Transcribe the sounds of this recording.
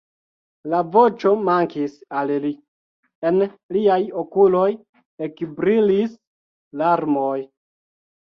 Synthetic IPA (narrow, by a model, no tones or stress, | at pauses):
lavo̞t͡ʃo̞maŋkisalli | e̞nliajokulo̞j | ekbɾilis | laɾmoj